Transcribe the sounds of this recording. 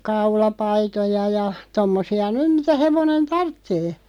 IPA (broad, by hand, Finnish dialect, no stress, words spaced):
kɑulɑpɑitojɑ jɑ tomːosiɑ nym mitæ heʋonen tɑrtːeː